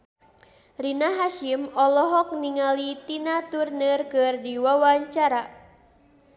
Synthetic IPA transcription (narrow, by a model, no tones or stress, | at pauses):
rinaɦaʃimɔlɔɦɔk̚niŋalit̪inat̪urnərkɨrdiwawaɲt͡ʃaɾa